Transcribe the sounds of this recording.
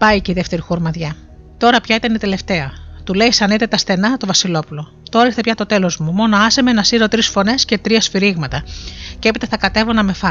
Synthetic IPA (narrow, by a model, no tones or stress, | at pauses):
pɐiceiðe̞ft̪e̞ɾixuɾmɐðʝɐ | t̪o̞ɾɐpçɐit̪ɐnit̪e̞le̞ft̪e̞ɐt̪ule̞isɐnet̪e̞t̪ɐst̪θe̞nɐt̪o̞vɐsilo̞pulo̞ | t̪oɾɐist̪epjçɐt̪o̞t̪e̞lo̞zmumo̞no̞ɐsemenɐsiɾo̞t̪ɾisfo̞ne̞sce̞t̪ɾiɐsfiɾiɣmɐt̪ɐcee̞pit̪ɐθɐkɐt̪e̞vonɐme̞fɐ